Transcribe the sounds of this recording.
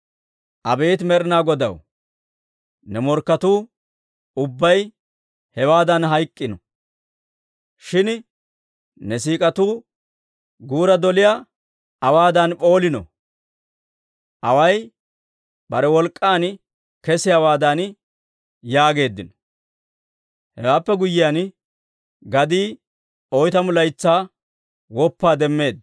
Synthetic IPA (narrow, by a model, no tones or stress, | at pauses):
ʔɐbe̞ːt̪mɛɾnaːɡɔd̪ɐ̰w | nɛmɔɾkːɐt̪uː | ʊbːɐj | hɛwaːd̪ɐnɦɐjkʼːɪnɔ | ʃɪn | nɛs̬iːkʼɐt̪uː | ɡuːɾɐd̪ɔlɪja | ɐwaːd̪ɐnpʼo̞ːlɪnɔ̰ | ʔɐwɐj | bɐɾɛwɔlkʼːaːn | kɛsɪjawaːd̪an | jaːɡe̞ːd̪ːɪnɔ̥ | hɛwaːpːɛɡʊjːɪjaːn | ɡɐd̪iː | ɔjt̪ɐmʊlɐjt͡sːaː | wɔpːaːd̪ɛmːe̞ːd̪